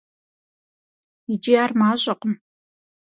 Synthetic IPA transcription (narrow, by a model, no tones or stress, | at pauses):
id͡ʒijaːrmaːɕʼɐqʼəm